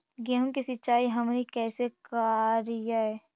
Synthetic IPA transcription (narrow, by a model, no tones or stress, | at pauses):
ɡɛːɦũŋkisɪtːʃaːiɦɐmnikɛːsekaɾɪjaɦɛː